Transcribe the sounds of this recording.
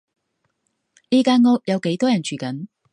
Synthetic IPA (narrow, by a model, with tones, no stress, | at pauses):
liː˥kaː˧˥nŋɔː˥k̚jɐ˨˧wke˨˥jt̪ɔː˥jɐ˨˩nt͡ʃʰyː˨˩kɐ˨˥n